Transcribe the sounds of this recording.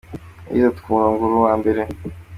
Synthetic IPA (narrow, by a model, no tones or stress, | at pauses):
ḭzotu̥kuːɾaŋɡuɾuwaːmbeɾe